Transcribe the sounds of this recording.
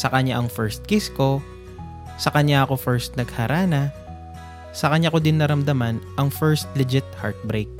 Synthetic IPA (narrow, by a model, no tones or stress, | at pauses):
sɐkɐɲaʔɐŋfɛɹst̪̚kɪsko̞ | sɐkɐɲaʔɐko̞fɛɹst̪̚nɐɡhɐɾʔaːnɐ | sɐkɐɲako̞d̪ɪnːɐɾɐmd̪ɐmanʔɐŋfɛɹst̪lɛd͡ʒɪt̪̚ha̰ɹt̪̚bɾejk̚